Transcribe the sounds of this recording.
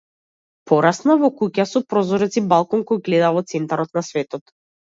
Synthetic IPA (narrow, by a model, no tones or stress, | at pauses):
pʰɔɾasnavɔkucasɔpɾɔzɔɾɛt̪sibalˠkɔŋkɔjɡlɛd̪avɔt̪sɛnt̪aɾɔt̪nasvɛt̪ɔt̪